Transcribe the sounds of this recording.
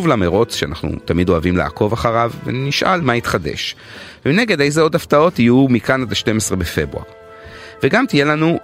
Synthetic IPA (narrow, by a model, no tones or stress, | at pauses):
uvlameʁo̞t͡sʃeanaχnṵt̪amido̞avimla̰ako̞vaχaʁavːḛniʃʔa̰lmait̪χade̞̰ʃ | vemine̞ɡe̞de̞jzeo̞daftao̞tijumikanadʃte̞mesʁe̞befe̞bʁṵa̰ʁ | veɡamt̪ijelanu